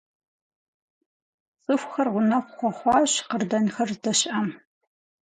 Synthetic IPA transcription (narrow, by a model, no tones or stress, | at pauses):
t͡sʼɨfʷxɐrʁʷʊnɐqʷʊχʷɔχʷɑːɕqərdɐnxɐrdɐɕʔɐm